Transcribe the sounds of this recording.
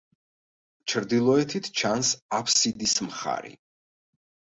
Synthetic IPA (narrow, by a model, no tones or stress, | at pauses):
t͡ʃʰɾd̪ilˠɔɛt̪ʰit̪ʰt͡ʃʰansapʰsid̪ismχa̰ɾḭ